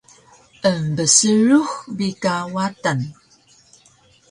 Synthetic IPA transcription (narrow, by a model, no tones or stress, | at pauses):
ʔəmbəsəɻuxbikawatan